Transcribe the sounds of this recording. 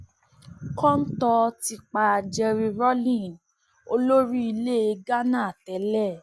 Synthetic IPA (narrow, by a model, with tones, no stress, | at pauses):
kɔ̃˦n̩˦tɔ˧ti˧k͡pa˧˨d͡ʒɛ˧ɾi˧ɾɔ˦lĩ˦˨ | o˧lo˦ɾi˦i˧le˦e˧ɡa˦nã˦˨tɛ˨˦lɛ˦˨